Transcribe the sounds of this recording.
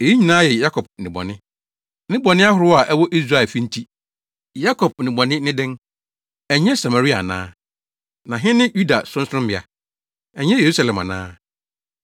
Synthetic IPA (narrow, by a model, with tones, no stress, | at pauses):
e˨ji˦ɲĩ˨nãː˦jɛ˨ja˦kʰɔ˨b̚nɪ̃˨bɔ̰˨nɪ̃˦ | nɪ̃˦bɔ̃˨nɪ̃˦a˦ɦʊ˨ɾʊ˦a˨ʔɛ˦wɔ˦ʔi˦sa˦˨ɛ˨fĩ˦n̩˦tʰi˦ | ja˦kʰɔ˨b̚nɪ̃˨bɔ̃˨nɪ̃˦nɪ̃˦dɛ̃˦n | ɛ˨ɲɛ̃˦sa˨ma˨ɾi˦a̰˨nã̰ː˦ | nã˨ɦɪ̃˦nɪ̃˦ju˦da˨sʊ̃˦n˦sʊ˦nʊ̃˦mbɪ˨a̰˨ | ɛ˨ɲɛ̃˦je˨ɾu˦sa˨lɛ̃˨ma̰˨nã̰ː˦